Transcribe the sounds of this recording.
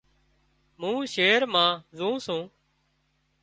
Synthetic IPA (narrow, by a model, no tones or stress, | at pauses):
mũːʃeːɾmãːzũːsũː